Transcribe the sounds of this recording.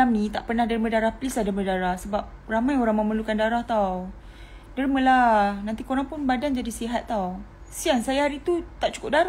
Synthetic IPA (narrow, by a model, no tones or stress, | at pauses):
amnĩt̪aʔpərnahdaɾimədaɾahplisadəmədaɾahsəbap̚ramajoɾaŋməməlukandaɾaht̪aw | daɾiməlanant̪ikoɾaŋpʊnbadand͡ʒadisiɦat̪ːaw | siansajaaɾit̪ut̪aʔ̚t͡ʃu̥kʊp̚daɾa